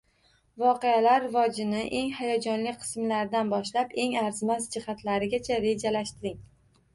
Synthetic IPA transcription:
vɒqejalaɾːɪvɒd͡ʒɪnɪʔe̞ŋhajɒd͡ʒɒnlɪkʲqʰɨ̥smlaɾd̪anbɒʃlape̞ŋaɾzmazd͡ʒɪhat̪laɾɪɡʲat͡ʃʰaɾe̞d͡ʒalaʃt̪ɪɾɪŋ

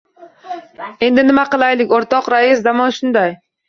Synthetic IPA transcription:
e̞nd̪ɪnɪmaqɨlˠajlɪkʲoɾt̪ɒqɾaɪsd̪amɒnʃʊnd̪aj

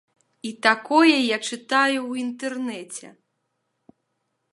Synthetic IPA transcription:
it̪akɔjɛjat͡ʂɨt̪ajuwint̪ɛrnɛt͡sʲɛ̰

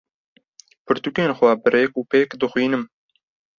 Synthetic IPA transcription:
pʰɨɾt̪ukeːnxwɛbɨɾeːkuːpeːkd̪ɨxwiːnɨm

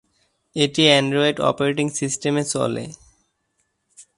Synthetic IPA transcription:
eʈiɛɳɖɾoeɖɔ̰poɾeʈiŋsisʈemesɔ̰lḛ

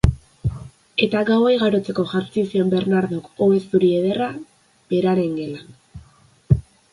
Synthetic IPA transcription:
e̞t̪aɡawejɣaɾo̞t͡se̞ko̞ʝaɾt͡sisio̞mbe̞ɾnaɾðoko̞βe̞zt̪uɾie̞ð̞e̞ra | b̥e̞ɾaɾe̞ŋɡe̞la

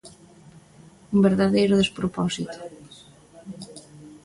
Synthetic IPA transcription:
umbeɾðaðejɾʊðespɾopɔsit̪ʊ̥

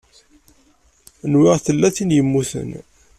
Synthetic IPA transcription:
nwɪʁθəlːæθinjəmːuθə̰n

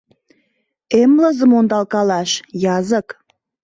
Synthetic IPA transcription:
emləzə̆mond̪ɑlkɑlɑʃjɑzək

